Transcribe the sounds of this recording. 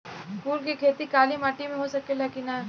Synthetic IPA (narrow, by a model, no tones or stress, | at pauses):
kuːɾkikʰeːt̪ikaːlimaːʈimẽɦosɐkelɐkina